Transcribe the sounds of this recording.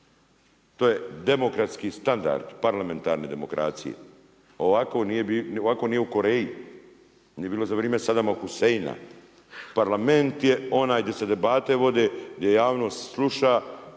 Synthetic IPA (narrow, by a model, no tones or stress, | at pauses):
t̪oːje̞d̪e̞mo̞kɾat̪skist̪and̪a̰ɾd̪̥paɾlame̞nt̪a̰ːɾne̞ːd̪e̞mo̞kɾa̰ːt̪sḭjḛ | o̞ʋakonijeioʋako̞nijeuko̞ɾeːji | nijebiːlo̞zaʋɾieːmesad̪amaxusejina̰ | paɾlame̞nt̪je̞o̞naːjd̪ʲje̞se̞d̪e̞baːt̪e̞ʋo̞d̪eːɡd̪jejaːʋno̞ːst̪slˠuʃa